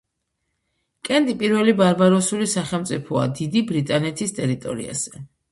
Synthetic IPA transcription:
kʼɛnt̪ʼipʼiɾvɛlibaɾbaɾɔsulisaχɛlˠmt̪sʼipʰɔa̰d̪id̪ibɾit̪ʼanɛt̪ʰist̪ʼɛɾit̪ʼɔ̰ɾḭa̰z̥ɛ

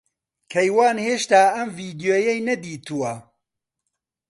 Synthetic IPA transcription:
kʰɐjwaːnheːʃt̪aːɐmviːd̪ijoːjɐjnɐd̪iːt̪ʰuwɐ

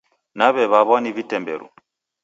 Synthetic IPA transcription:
naβɛβaβɔnivitɛmbɛ̰ɾṵ

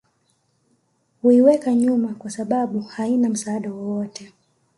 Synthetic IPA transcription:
huiwɛkaɲumakwasaɓaɓuhainam̩saːɗawɔwɔtɛ

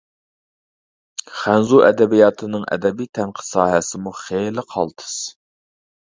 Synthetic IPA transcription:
χænzuʔɛd̪ɛbijɑt̪ʰɨnɨŋʔɛ̰d̪ɛbijt̪ʰɛnqʰə̥sɑːɦɛsɪmuχejlɪqʰɑ̰lˠt̪ʰɨ̥s

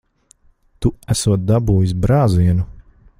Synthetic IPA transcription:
t̪uæsuɔt̪̚d̪abuːjis̬bɾaːziɛnu

